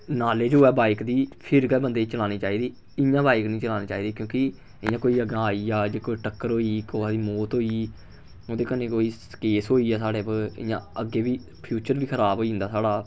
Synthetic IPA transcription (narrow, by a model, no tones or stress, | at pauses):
naːleːd͡ʒɦoːɛːbaːɪkd̪iːpʰɪɾɡɛːbənd̪eːt͡ʃəlaːniːt͡ʃaːiːd̪iː | ɪjãːbaːɪknĩːt͡ʃəlaːniːt͡ʃaːiːd̪iːkjõːkɪ | ɪjãːkoːiːəɡãːaːiːaːd͡ʒeːkoːiːʈəkːəɾɦoːiːkoːaːd̪iːmoːt̪ɦoːiː | oːd̪eːkənẽːkoːiː | keːsɦoːiːɛːsaːɽeːpɪ̰jãːəɡːeːʋiː | pʰjuːt͡ʃəɾʋiːkʰəɾaːbɦoːind̪aːsaːɽaː